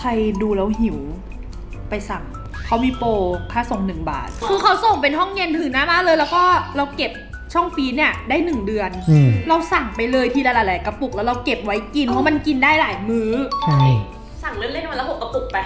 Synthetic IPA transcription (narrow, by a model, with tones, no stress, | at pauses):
kʰa˧jduː˧ɾa˧wɦi˨˩˦w | pa˧jsa˨˩ŋ | kʰa˦˥wmiː˧poː˧kʰaː˥˩so˨˩˦ŋnɯ˨˩ŋba̰ː˨˩t̪̚kʰɯː˧kʰa˦˥wso˨˩ŋp̬e˧nɦɔ˥˩ŋje˧nt̪ʰɯ˨˩˦na˦˥maː˥˩lɤː˧jlɛ˦˥wkɔː˥˩ɾa˧wke˨˩p̚ | t͡ɕʰɔ˥˩ŋfiː˦˥niː˦˥˩ɐdaː˥˩jnɯ˨˩ŋdɯ˧ən˧˩ɾa˧wsa˨˩ŋpa˧jlɤː˧jt̪ʰiː˧laː˧˩laː˨˩laː˧˨˦ka˧pu˨˩k̚lɛː˦˥ɾa˧wke˨˩p̚wa˦˥jki˧npʰɔ˦˥ma˧nki˧ndaː˥˩jlaː˨˩˦jmɯː˦˥a˥˩ | sa˨˩ŋlɯ˦˥˩nle˥˩˨lːpʰo˨˩ka˧pu˨˩k̚pa˧